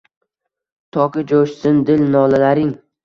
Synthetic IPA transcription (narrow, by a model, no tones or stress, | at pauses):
t̪ʰɒkʲɪd͡ʒoʃsɪnd̪ɪlnɒlalaɾɪŋ